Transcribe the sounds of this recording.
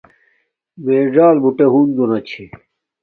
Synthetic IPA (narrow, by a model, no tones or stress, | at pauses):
meːʐaːlbuʈeɦund̪onɐt͡ɕʰe